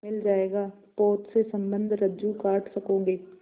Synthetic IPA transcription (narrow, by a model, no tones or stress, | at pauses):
ɪld͡ʒaːeːɡaː | pɔːt̪sesɐ̃mbə̃nd̪ʱɾɐd͡ʒukaːʈsɐkõːɡeː